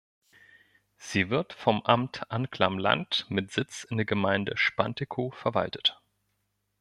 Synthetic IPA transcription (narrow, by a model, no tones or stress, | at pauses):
z̥iːvɪɐtfɔmʔamtʔankl̥amla̰ntmɪtz̥ɪt͡sɪndeːɐɡəmaɪndə̰ʃpantekʰofɛɐva̰ltə̥t